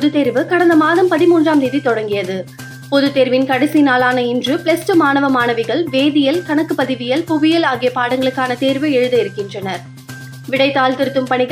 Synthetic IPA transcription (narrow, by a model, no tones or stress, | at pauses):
pɔðɯt̪ːeːɾʋɯkɐɽɐnd̪ɐmaːðɐmpɐðɪmuːndraːmd̪eːðit̪ɔɽɐŋɡɪjɐðɯ | pɔðɯt̪ːeːɾʋɪnkɐɽɛsinaːlaːnɐɪndrɯpɭɛsʈɯmaːnɐʋɐmaːnɐʋɪɣɐɭʋeːðɪjɐlkɐɳɐkːɯpɐðɪʋɪjɐlpʊɣɪjɐlaːɣɪjɐpaːɽɐŋɡɐɭɯkːaːnɐt̪eːɾʋɯɛɻɯðɐɪɾɯkːɪndrɐnɐɾ | ʋɪɽɐɪt̪ːaːlt̪ɪɾɯt̪ːɯmpɐɳɪɣ